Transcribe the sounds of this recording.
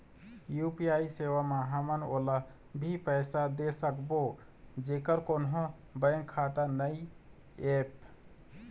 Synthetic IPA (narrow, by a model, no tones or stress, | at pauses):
jupiaisewameɦəməno̰lə | bʱipəjsad̪esəkbo | d͡ʒekəɾkonɦõ | bəjŋkʰat̪anəi | ep